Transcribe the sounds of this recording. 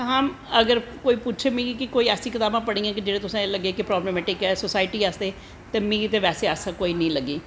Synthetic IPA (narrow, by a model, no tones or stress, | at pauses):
ɦaːm | əɡəɾkoːiːputːʃʰeːmĩːɡikɪkoːiːɛːsiːkɪt̪aːbãːpəɽ̃ĩːãːkɪd͡ʒeːɽẽːt̪ʊsãləɡeːkɪpɾɔːbleːmɛːʈɪkɛːsosaːɪʈiːasd̪eː | t̪eːmĩːt̪eːʋɛːseːaːsãkoːiːnĩːləɡeː